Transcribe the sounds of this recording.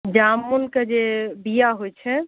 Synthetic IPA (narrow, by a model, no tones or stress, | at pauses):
d͡ʒamːulked͡ʒebijaɦojt͡ʃʰɛ